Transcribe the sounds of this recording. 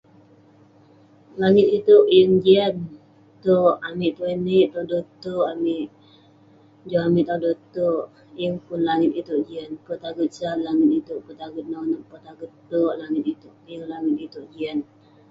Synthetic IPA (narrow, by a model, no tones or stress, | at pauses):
laŋɪt̪̚it̪uʔjəŋd͡ʒian | t̪oʔamiʔt̪ueniʔt̪ɔdot̪oʔamɪʔ | d͡ʒoamiʔt̪adot̪oʔ | jəŋpʊnlaŋɪt̪it̪uʔd͡ʒiənpət̪aɡət̪̚sanlaŋɪt̪̚it̪uʔpət̪aɡət̪̚nawnəʔpət̪aɡət̪oʔlaŋɪt̪̚it̪uʔjəŋlaŋɪt̪̚it̪uʔd͡ʒian